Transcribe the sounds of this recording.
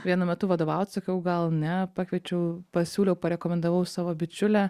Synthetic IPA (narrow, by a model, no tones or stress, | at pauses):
ʋʲiɛnɐmʲɛt̪ʊʋɐd̪oːʋɐʊt̪ʲsɐkʲɐʊɡɐlˠnʲɛpɑːkʋʲiɛt͡ʃʲɛʊpɐsʲuːlʲɛʊpɐɾʲɛkoːmʲɛnd̪ɐʋɐʊsɑːʋoːbʲɪt͡ʃʲʊlʲɛ